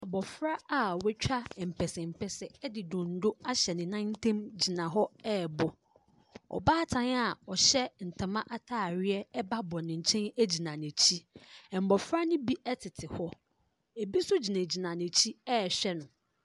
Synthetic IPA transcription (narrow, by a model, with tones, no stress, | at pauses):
a˨bɔ˨fɾa˦a˨wɛ˦t͡ɕᶣa˦˨m̩˨pʰɛ˨sɛ˨m̩˨pʰɛ˨sɛ˨ɛ˦dɪ˨dʊ̃˨n̩˨˦dʊ˦a˦ɕɛ˨nɪ̃˨nã˦n˦tʰɛ̃˦md͡ʑi˨nã˨ɦɔ˦ɛː˦˨bɔ˨ | ɔ̰˨baː˦tʰã˨na˨ɔ˨ɕɛ˦n̩˨tʰã˨mã˦ʔa˦tʰaː˦˨ɾɪ˦ɛ˦ɛ˦ba˦bɔ˨nɪ̃˨ɲ̩˨t͡ɕʰɛ̃˦næ˦d͡ʑi˨nã˨nɛ̃˨t͡ɕʰi˦ɛ̃˨m̩˨bɔ˨fɾa˦nɪ̃˦bi˦ʔɛ˦tʰɪ˨tʰɪ˨hɔ˦ | e˨bi˦sʊ˦d͡ʑi˨nã˨d͡ʑi˨nã˨nɛ̃˨t͡ɕʰi˦ɛ˦˨ɕᶣɛ˦nʊ̃˨